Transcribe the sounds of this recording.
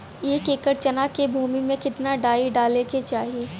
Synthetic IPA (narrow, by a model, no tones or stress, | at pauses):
eːkeːkəɾt͡ʃɐnaːkebʱuːmimẽkɪt̪naɖaːiɖaːleket͡ʃaːɦieː